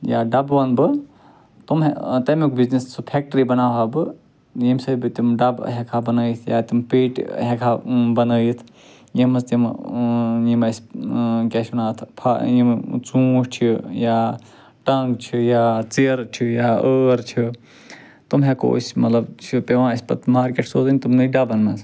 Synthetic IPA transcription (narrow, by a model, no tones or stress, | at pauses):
jaːɖɐbʋɐnbɨ | t̪umt̪ɐmekbiznessɨpʰek̚ʈəɾibɐnaːɦabɨ | jimsɐbit̪imɖɐbɦekʰabɐnəːjit̪ʰjat̪impeːʈɦekʰabɐnəːjit̪ʰ | jimst̪im | jimɐskesʰʲunaːt̪ʰpʰa̰jimt͡suːʃt͡ʃʰija | ʈɐŋɡt͡ʃʰijat͡siɾt͡ʃʰijaəːɾt͡ʃʰi | t̪umɦekʰo̰sʲmɐt̪lɐbt͡ʃʰipeʋãispɐ̰t̪maːɾkeʈsoːzənʲt̪umnɨɖɐbɐnmɐz